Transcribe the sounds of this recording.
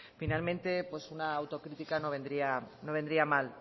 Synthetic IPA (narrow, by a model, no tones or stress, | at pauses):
finalmẽ̞nt̪e̞pwe̞sunaːwt̪o̞kɾit̪ikano̞β̞e̞nd̪ɾiano̞β̞e̞nd̪ɾiamal